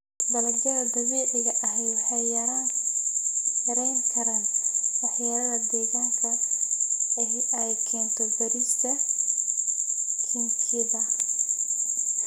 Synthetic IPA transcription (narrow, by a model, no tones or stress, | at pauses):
bɐlɐd̪ɐɾɐd̪ɐɣɛːʔɪɣɐʔɐɦɛjħɑjɐɾaːŋ | jɐɾɛjŋkʰɐɾaːnwɑħjaɾɐðɐd̪ɛːɣaːŋkʰɐ | ɛɦɪʔɐjkʰɛːnt̪ʰɐbɐɾist̪ʰɐ | kʰɪnkʰɪðɐ